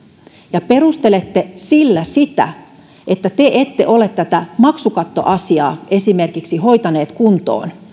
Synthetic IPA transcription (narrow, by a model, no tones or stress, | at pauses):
jɑperust̪elet̪ːesilːæsit̪æ̰ | ʔet̪ːæt̪eʔet̪ːḛʔolet̪t̪ːæt̪æmɑksukɑt̪ːo̰ʔɑsiɑ̰ːʔesimerkiksihoit̪ɑneːt̪kunt̪o̰ːn